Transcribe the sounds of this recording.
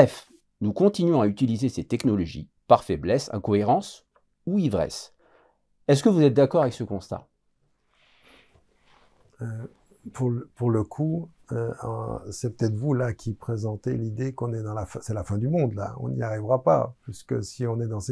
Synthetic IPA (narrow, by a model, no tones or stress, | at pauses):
bɛf | nukɔ̃t̪inɥɔ̃ayt̪ilizeset̪ɛknɔlɔʒḭ | paʁfɛblɛsã̰kɔeʁɑ̃s | uivʁɛ̰s | ɛs̬kəvuzɛt̪̚d̪akɔʁavɛksəkɔ̃st̪a̰ | ø | pʰuʁlpuʁləkʰuø̰ɑ̰̃sɛpə̥t̪ɛt̪χvulakʲʰipχezɑ̃t̪elid̪ekɔ̃nɛd̪ɑ̃lafɛ̃sɛlafɛ̃d̪ymɔ̃d̪la̰ɔ̰̃niaʁivʁapa̰piskəsiɔ̃nɛd̪ɑ̃s